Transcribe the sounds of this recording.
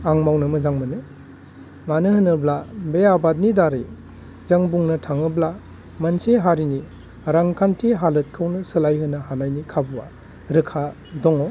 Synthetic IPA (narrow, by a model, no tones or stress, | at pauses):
aŋmawnɯmɯzaŋmɯnɯ | manɯhɯnɯblabeabad̚nidaɾi | zaŋbuŋnɐtʰaŋɯbla | mɐnsiɦaɾini | ɾaŋkʰantʰiɦalɯt̚kʰɯwnɯsɯlajɦɯnːahanajnikʰabuwa̰ | ɾɯkʰa | dɔŋɔ